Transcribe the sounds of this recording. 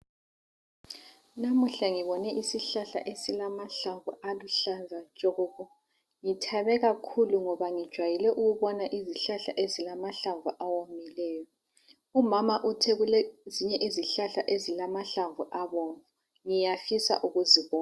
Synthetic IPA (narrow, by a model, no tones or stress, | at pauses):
namuɬaŋiβɔnɛʔisiɬaɬa̰ʔesilamaɬaɱvualuɬanzʱat͡ʃʼoɣɔɣɔ | ŋitʰaβɛɣakʰuluŋɔβaŋid̥ʒ̥ʱwajilɛʔuɣuβɔnaʔiziɬaɬa̰ʔezilamaɬaɱvuʔawomilɛːjɔ | umamaʔutʰɛɣuleziɲɛʔiziɬaɬaʔezilamaɬaɱvuʔaβoːɱvu | ŋijafisa̰ʔuɣuziβɔːna